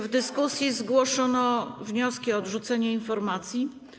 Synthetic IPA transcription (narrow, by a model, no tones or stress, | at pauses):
vd̪ɘskusʲjizɡwɔʂɔnɔvɲɔskʲiɔːd̪ʐut̪sɛɲɛinfɔɾmat̪sʲji